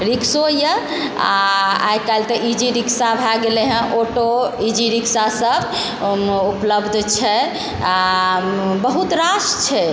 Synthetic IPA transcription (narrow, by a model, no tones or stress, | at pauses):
ɾiksojə | a̰a̰jkalt̪əʔid͡ʒiɾiksabʱaɡeleɦə̃ʔoʈoid͡ʒiɾiksasəb | upləbd̪ʱt͡ʃʰɛ | a | bəɦut̪ɾast͡ʃʰɛ